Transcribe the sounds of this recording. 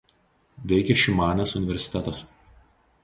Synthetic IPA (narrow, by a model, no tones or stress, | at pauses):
ʋʲɛɪkʲɛʃʲɪmɑːnʲeːsʊnʲɪʋʲɛɾʲsʲɪ̥t̪ʲɛt̪ɐs